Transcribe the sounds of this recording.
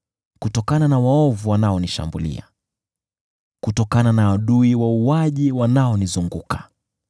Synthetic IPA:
kutɔkananawaɔvuwanaɔniʃa̰mbulḭa̰ | kutɔkananaːɗuiwauaʄiwanaɔnizuŋɡukḁ

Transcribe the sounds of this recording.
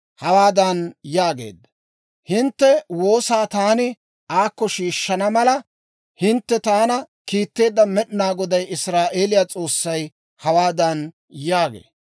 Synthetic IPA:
hɐwaːd̪ɐnjaːɡe̞̰ːd̪ːɐ | hɪnt̪ːɛwo̞ːsaːt̪aːnɪ | aːkːɔʃiːʃːɐnɐmɐlɐ | hɪnt̪ːɛt̪aːnɐ | kiːt̪ːe̞ːd̪ːɐmɛɗnaːɡɔd̪ɐjʔɪsɾaːʔe̞ːlɪjaːt͡sʼo̞ːsːɐj | hɐwaːd̪ɐn | jaːɡḛː

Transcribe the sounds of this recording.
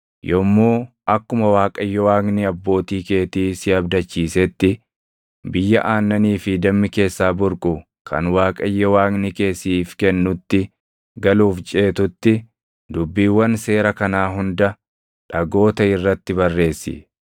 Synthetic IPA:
jɔmːuː | ʔɐkːʊmɐwaːkʼɐjːɔwaːɡnɪɐbːo̞ːt̪iːke̞ːt̪iːsɪɐbd̪ɐt͡ʃːiːsɛt̪ːɪ | bɪjːɐʔaːnːɐniːfɪd̪ɐmːɪke̞ːsːaːbʊɾkʼʊ | kʰɐ̰nwaːkʼɐjːɔwaːɡnɪke̞ːsːiːfkɛnːʊt̪ːɪ | ɡɐluːft͡ʃʼe̞ːt̪ʊt̪ːɪ | d̪ʊbːiːwːɐnse̞ːɾɐkɐnaːɦʊnd̪ɐ | ᶑɐɡo̞ːt̪ɐɪrːɐt̪ːɪbɐrːe̞ːsːɪ̰

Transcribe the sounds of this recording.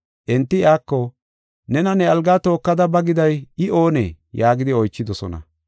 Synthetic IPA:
ʔɛnt̪ːɪaːkːɔ | nɛnɐnɛɐlɡaːt̪o̞ːkːɐd̪ɐbɐɡɪd̪ɐjɪʔo̞ːnɛ̰ | jaːɡɪd̪ɪɔjt͡ʃːɪd̪ɔsɔ̰nɐ̰

